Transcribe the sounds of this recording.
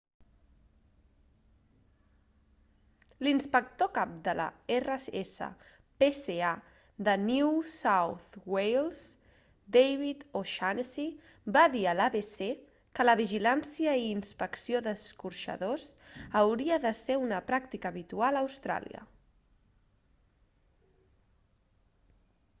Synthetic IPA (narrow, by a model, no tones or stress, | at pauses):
linspək̚t̪okap̚d̪ələ̰erəesə̰ | pesea | d̪ənuusawθwejlˠz | d̪ejβit̪oʃansi | baðiəlaβese | kələβiʒilansiəiːnspəksioðəskurʃə̰ðosəwɾiəðəseunəpɾak̚t̪ikəːβit̪ualəwst̪ɾa̰lḭə̰